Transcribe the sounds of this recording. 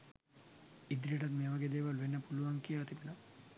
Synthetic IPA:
id̪ɾiʈɐt̪meʋɐɡed̪eːʋɐlʋenːɐpuluʋɐŋkijɐt̪ipnɐ

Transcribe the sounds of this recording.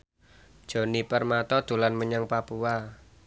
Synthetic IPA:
d̥ʒ̥o̤nipərmat̪ɔd̪̥ṳlanməɲaŋpapua

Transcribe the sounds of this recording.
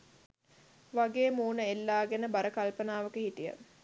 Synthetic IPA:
ʋaɡeːmuːnəelːaːɡenəbaɾəkalpənaːʋɐkəhitijə̰

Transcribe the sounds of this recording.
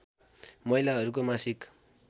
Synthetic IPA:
mʌilaɦʌɾukomasik

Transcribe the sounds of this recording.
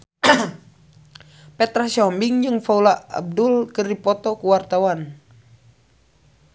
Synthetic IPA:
pɛt̪ɾasɔmbiŋd͡ʒɨŋfaulaa̰b̚dulkərdipɔt̪ɔkuwart̪awan

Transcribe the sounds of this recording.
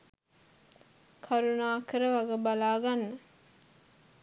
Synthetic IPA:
kʰaɾunaːkəɾəʋaɡəbalaːɡanːə

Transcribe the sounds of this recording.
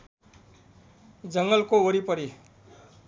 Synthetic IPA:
d͡zʌŋɡʌlkooɾipʌɾi

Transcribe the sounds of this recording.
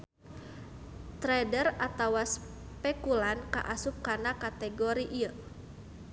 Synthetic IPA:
t̪ɾɛdərat̪awas | pɛkulanka̰ʔasup̚kanakat̪ɛɡoɾiʔiə

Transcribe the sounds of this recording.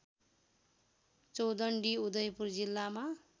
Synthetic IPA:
t͡sowd̪ʌɳɖiud̪ʌjpurd͡zilːama

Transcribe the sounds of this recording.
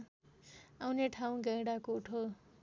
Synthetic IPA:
awneʈʰaw̃ɡʌ̃jɽakouʈʰo

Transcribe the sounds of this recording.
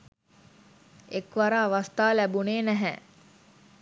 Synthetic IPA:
ekʋaɾaːʋast̪aːlæbuneːnæɦæ̰ː

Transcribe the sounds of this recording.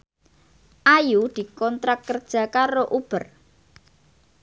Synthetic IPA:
ʔajud̪̥i̤kɔnt̪ɾakːərd̥ʒ̥ä̤kaɾoʔub̥ər

